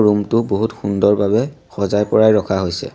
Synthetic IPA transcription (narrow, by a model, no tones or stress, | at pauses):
ɹumtʊboɦutxundɔɹbabɛ | xɔzajpɔɹajɹɔkʰaɦojsɛ̰